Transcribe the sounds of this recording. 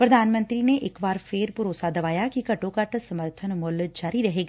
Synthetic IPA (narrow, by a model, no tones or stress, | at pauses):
pɾɐd̪ʱaːnmə̃nt̪ɾineʔɪkʋaːɾpʰeːɾpʊɾoːsad̪ɐʋaːjakikɐʈõkɐʈsɐməɾt̪ʰənmʊld͡ʒaːɾiɾɐɦeːɡaː